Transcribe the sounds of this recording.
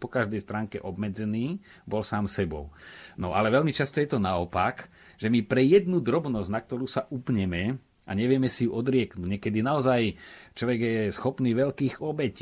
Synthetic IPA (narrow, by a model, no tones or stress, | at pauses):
pɔkaʒd̪ɛjst̪ɾaːŋkɛ̰ʔɔbmɛd͡zɛniː | bɔlsaːmsɛbɔ̰ʊnɔʔa̰lɛʋɛʎmit͡ʃast̪ɔjɛt̪ɔnaɔpak | ʒ̥ɛmipɾɛjɛd̪nud̪ɾɔbnɔznak̚t̪ɔɾuːsaʔupɲɛmɛ | ʔa̰ɲɛʋɪɛmɛsijuʔɔd̪ɾɪɛknuːɟɲɛkɛd̪inaɔzajt͡ʃlɔʋɛɡjɛsxɔpniːʋɛʎkiːɣɔbɛciː